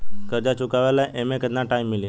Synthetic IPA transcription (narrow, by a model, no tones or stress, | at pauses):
kəɾd͡ʒat͡ʃukaʋalaeʔemẽkəd̪nãʈaimːili